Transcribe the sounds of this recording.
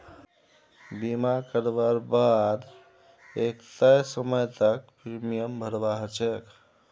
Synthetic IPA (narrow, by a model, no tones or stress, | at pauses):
bimakəɾbaɾbad̪ | ekt̪əjsəməjt̪ək̚pɾimijəmbʱəɾbaɦt͡ʃek